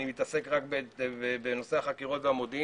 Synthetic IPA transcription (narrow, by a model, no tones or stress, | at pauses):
nimit̪ase̞kʁakbebebeno̞se̞aχakiʁo̞t̪veamod̪i